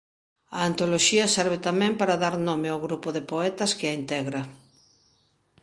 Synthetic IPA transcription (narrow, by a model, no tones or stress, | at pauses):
ɐːnt̪oloʃiɐsɛɾβ̞ɪt̪amɛ̃mpaɾaðaɾnomeawɣɾupoðɪpoɛt̪ɐskɪaint̪ɛɣɾɐ